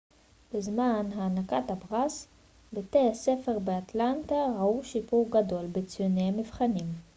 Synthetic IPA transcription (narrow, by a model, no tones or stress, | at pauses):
bezmanɦaːnakatabʁas | betease̞fe̞ʁbeatlantaʁauʃipuʁɡado̞lbet͡sjonejamivχanim